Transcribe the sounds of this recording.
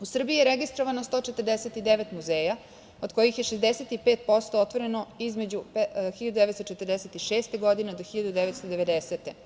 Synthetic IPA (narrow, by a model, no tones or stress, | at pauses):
usr̩bijijeɾeɡist̪ɾoʋanost̪o̞t͡ʃet̪ərd̪eset̪id̪eʋet̪muzeːja | od̪ko̞jixjeʃezd̪eset̪ipeːt̪̚po̞st̪oot̪ʋo̞ɾe̞no̞izme̞d͡ʑupxiʎad̪ud̪eʋet̪st̪ot͡ʃet̪ərd̪eset̪iʃe̞ːst̪eɡo̞d̪ined̪oxiʎad̪ud̪eʋet̪st̪od̪eʋed̪eset̪e